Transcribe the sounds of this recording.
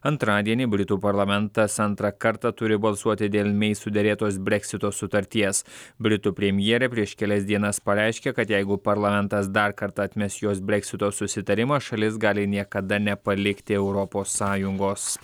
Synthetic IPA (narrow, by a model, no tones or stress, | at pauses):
ɐnt̪ɾɑːd̪ʲiɛnʲiːbʲɾʲɪt̪uːpɐɾlˠɐmʲɛnt̪ɐsɐnt̪ɾɐkɐɾt̪ɑt̪ʊɾʲɪbɐlˠsuɔt̪ʲɪd̪ʲeːlʲˠmʲɛɪst̪uːd̪ʲɛɾʲeːt̪oːsbʲɾʲɛksʲɪt̪oːsʊt̪ɐɾʲt̪ʲiɛsbʲɾʲɪt̪uːpʲɾʲɛmʲjɛɛɾʲɛpʲɾʲiɛʃkʲɛlʲɛsʲd̪ʲiɛnɐspɐɾʲɛɪʃʲkʲekɐt̪jɛɪɡʊpɐɾlˠɐmʲɛnˑt̪ɐsd̪ɐɾkɐɾt̪ɑɐt̪ʲmʲɛsjoːsbʲɾʲɛksʲɪt̪oːsʊsʲɪt̪ɐɾʲɪmɐʃɐlʲɪsɡɑːlʲɪnʲiɛkɐd̪ɐnʲɛpɐlʲɪkt̪ʲɪɛʊɾɔpoːsːɑːjʊŋɡoːs